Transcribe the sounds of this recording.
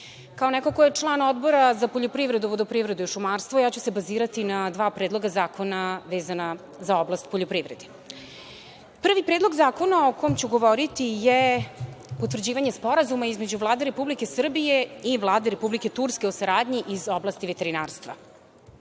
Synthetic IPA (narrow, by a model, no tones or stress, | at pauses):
kaonɛkokojet͡ʂlˠaːnod̪bo̞ɾazapoʎopɾivɾe̞d̪uʋod̪opɾivɾe̞d̪uiʃumaɾst̪vojaːt͡ɕuse̞baziːɾat̪inad̪ʋaːpɾeːd̪lˠo̞ɡazaːkʰo̞naʋeːzana | zaoblˠast̪poʎopɾiʋɾed̪e | pr̩ʋipɾed̪lo̞ɡzaːko̞naokomt͡ɕuɡo̞ʋoɾit̪ije | pot̪vr̩d͡ʑiːʋaɲespo̞ɾazumaizmed͡ʑuvlˠaːd̪eɾe̞publike̞sr̩bije̞iʋlˠaːd̪eɾepublike̞t̪uɾskeosaɾaːd̪ɲiʔizoblast̪iʋet̪e̞ɾinaːɾst̪ʋa̰